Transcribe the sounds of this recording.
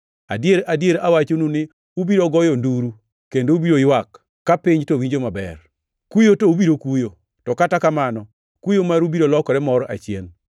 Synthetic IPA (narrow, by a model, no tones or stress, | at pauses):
a̰djeɾadjeɾawat͡ʃonunɪ | ubiɾɔɡɔjɔnduɾu | kendoubiɾojwakː | apɪɲtowiɲd͡ʒomabɛ̰r | kujotoubiɾokujo | tɔkatakamanɔ | kujomaɾubiɾolɔkɔɾɛmɔɾʔa̰t͡ʃɪen